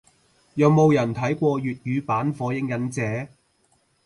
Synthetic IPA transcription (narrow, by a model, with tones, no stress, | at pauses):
jɐ˨˧wmo˨˧wjɐ˨˩nt̪ʰɐ˨˥jkʷɔː˧ɥyː˨t̚jyː˨˥paː˨˥nfɔː˨˥jɪ˧˥ŋjɐ˨˥nt͡sɛː˨˥